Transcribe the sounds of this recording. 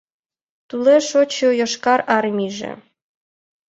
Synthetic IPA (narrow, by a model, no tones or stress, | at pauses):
t̪uleʃot͡ɕojɤ̆ʃkɑɾɑrmʲiʒḛ